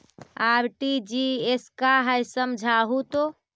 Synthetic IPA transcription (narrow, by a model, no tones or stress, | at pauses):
aɾʈid͡ʒieskaɦəjsəmd͡ʒʱaɦut̪o